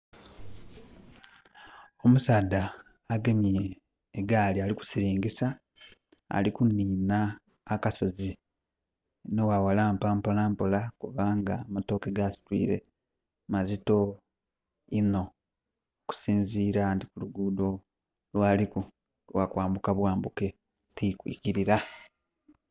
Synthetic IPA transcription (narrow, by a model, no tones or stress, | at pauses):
o̞musaːdːaː | ɡe̞mieː | ɡaːlialiku̥siɾiːŋɡisa | a̰likuniːnaː | kaso̞zi | nowawalaːmpaːmpo̞laːmpo̞lakuβaŋɡamato̞ːkeɡasi̥twḭːɾe̞̰ | mazito̞ | ino̞ː | ku̥siːnziːɾantikuluɡudo̞ | lwaːliku | wakwaːmbukaβwaːmbuke̞ | tikwḭːkiɾiɾa